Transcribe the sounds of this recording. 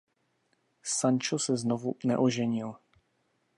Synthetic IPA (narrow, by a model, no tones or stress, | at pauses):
sant͡ʃosɛznovunɛʔoʒɛɲɪl